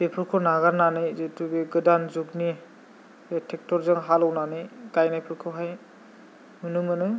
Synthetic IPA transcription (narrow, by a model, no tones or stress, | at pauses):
bepʰɯɾkʰɔnaɡaɾnanɯjzetubeɡɯdanzuɡni | etʰɛk̚tɔɾzɯŋɦalɔwnanɯjɡajnajpʰɯɾkʰɔɦaj | mɯnɯmɯnɯ